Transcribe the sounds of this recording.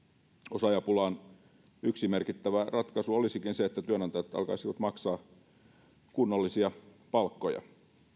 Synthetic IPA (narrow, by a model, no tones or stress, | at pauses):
osɑjɑpulɑːn | yksimerkit̪ːæʋærɑt̪kɑsuolisikinseet̪ːæt̪yønɑnt̪ɑjɑt̪ɑ̰lkɑ̰isiʋɑt̪mɑksɑː | kunːolːisiɑ | pɑlkːojɑ̰